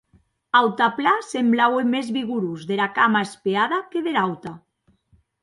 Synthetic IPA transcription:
awt̪aplasemblawemezβiɣuɾuzðelakamaespeaðakeðelawt̪a

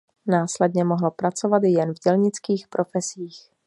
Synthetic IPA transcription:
naːslɛdɲɛmoɦlopɾat͡sovat̪jɛnvɟɛlɲɪt͡skiːxpɾʔo̞fɛsiːx

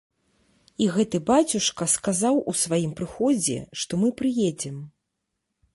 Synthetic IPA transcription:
iɣɛt̪ɨbat͡sʲuʂkɐskazawusvajimpɾɨxɔd͡zʲɛ̰ʂt̪ɔmɨpɾɨjed͡zʲɛm

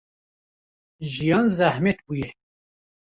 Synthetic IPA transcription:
ʒijɑːnzæhmɛt̪̚buːjɛ

